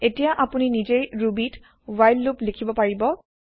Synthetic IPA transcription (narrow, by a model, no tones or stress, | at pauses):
etijaʔapuninid͡ʒejɹubit | wajlːuplikʰibɔpaɹibɔ